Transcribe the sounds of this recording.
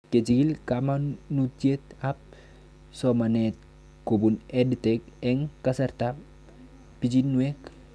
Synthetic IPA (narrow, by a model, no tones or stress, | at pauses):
ket͡ʃiɡilkamanutet̪ap̚ | somanet̪̚ | kobuneditekeŋkasaɾta | pid͡ʒinːuek